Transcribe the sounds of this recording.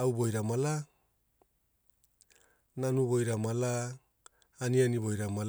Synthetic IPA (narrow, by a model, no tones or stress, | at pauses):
awbojɾamala | nanuβojɾamalaː | nianiβojɾamal